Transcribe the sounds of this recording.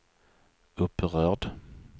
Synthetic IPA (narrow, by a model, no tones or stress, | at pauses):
ɵpːʁœːʁɖ̪